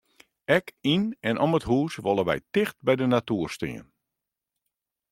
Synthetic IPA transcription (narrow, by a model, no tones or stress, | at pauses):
ɛkinɛnʔɔmətɦuːsʋɔlˠəʋɛ̰jtɪxt̚bɛjdənatuːrstɪ̰ən